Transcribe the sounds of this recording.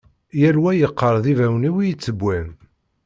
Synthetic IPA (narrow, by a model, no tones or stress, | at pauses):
jæɾwæjəqːəɾˤðivæwniwijət͡sːəbʷːæn